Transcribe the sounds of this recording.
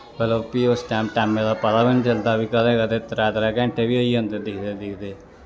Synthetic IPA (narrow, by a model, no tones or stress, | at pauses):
bələpiːʊsʈɛːmʈɛːmːẽd̪aːpət̪aːbɪnt͡ʃəld̪aːbiːkəleːɡat̪et̪əɾaːt̪ɾaːkɛ̃ːɳʈʰeːʋiːəiːə̃nd̪əd̪ɪkʰd̪eːd̪ɪkʰd̪eː